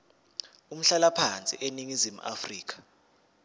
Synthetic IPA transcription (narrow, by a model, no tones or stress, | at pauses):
um̩ɬalapʰant͡sʼḭʔeniŋizimuʔa̰friːkʰḁ